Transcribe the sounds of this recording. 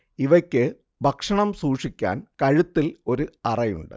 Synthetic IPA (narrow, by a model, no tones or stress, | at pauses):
iʋɐkʲːɨ | bʱɐkʂɐɳɐmsuːʂikʲːa̰ːnkɐɻut̪ːilo̞ɾuɐrɐjṵɳɖɨ̰